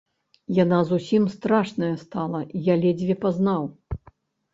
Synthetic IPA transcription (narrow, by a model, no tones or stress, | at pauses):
janazusʲimst̪ɾaʂnɐjɐst̪alˠɐijalʲɛd͡zʲvʲɛpaznaw